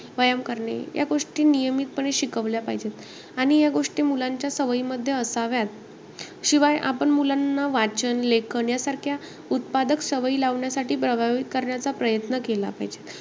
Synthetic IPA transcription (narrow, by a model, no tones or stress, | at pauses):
ʋəjəmkəɾɳḛja̰ɡoʂʈiːnijəmiːt̪̚pəɳeɕikəʋljapaɦd͡ʑet̪ | aɽ̃ijaɡoʂʈiːmulaɲt͡ɕjasəʋiməd̪ʱːjeəsaʋjat̪̚ | ɕiʋajʔa̰pəɳmulanːaʋat͡ɕənlekʰəɳjasaɾkʰja | ut̪̚pad̪əksəʋəiːlaʋɳjasaʈʰiːpɾəbʱaʋik̪kəɾɳjat͡sapɾəjət̪nəkela̰pa̰ɦid͡ʑet̪